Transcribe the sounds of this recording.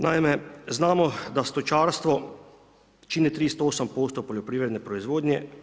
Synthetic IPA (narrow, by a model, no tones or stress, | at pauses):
najmɛznaːmɔd̪ast̪ɔt͡ʃaːɾst̪ʋɔ | t͡ʃiːnit̪ɾiːst̪oɔoːsəmpoːst̪ɔpɔljɔpɾiːʋɾɛd̪nɛpɾɔizʋoːd̪nʲjɛ